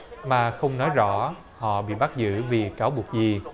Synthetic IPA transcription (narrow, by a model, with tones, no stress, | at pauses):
maː˨˩xə˧wŋ͡mnɔ˨˦jzɔ̰˧˥ | hɔ̰˧˨ɓḭ˧˨ɓa˦˥k̚zɨ̰˧˥vi˨˩kaː˨˦wɓu˨˩ək̚zi˨˩